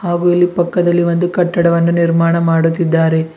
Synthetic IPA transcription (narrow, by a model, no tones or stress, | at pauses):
haːɡuɐlːipɐkːɐd̪ɐlːiʋond̪ukɐʈːɐɽɐʋɐnːuniɾmaːɳɐmaːɽut̪ːid̪ːaːɾe̞